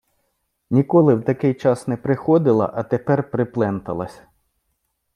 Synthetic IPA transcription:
nʲikɔlˠɪwt̪ɐkɪjt͡ʃɑsnɛpɾɪxɔd̪ɪlˠɐ̰ʔɐt̪epɛrpɾɪplˠɛnt̪ɐ̰lˠɐsʲɐ̥

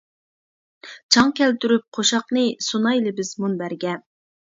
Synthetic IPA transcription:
t͡ʃʰɑŋkʲʰɛlt̪yɾyp̚qʰoʃɑqnɨsunɑjlɪbɪzmunbæɾɡʲɛ

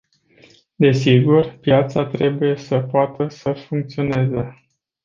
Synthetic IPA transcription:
d̪e̞siɡurpjat̪sat̪ɾe̞buje̞səpoat̪əsəfuŋk̚t̪sio̞ne̞ze

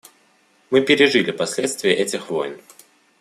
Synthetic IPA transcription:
mɨpʲɪɾʲɪʐɨlʲɪpɐsʲlʲet̪st̪vʲɪjəʔɛtʲɪxvo̰jn

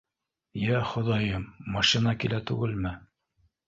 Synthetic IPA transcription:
jæχŏðɑjɤmːɑʃinɑkilæt̪ʉ̰ɡɘlmɘ

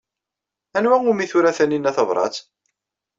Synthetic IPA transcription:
ænwæŋʊmiθuɾæθæninːæθɑvɾˤɑ̰t͡s

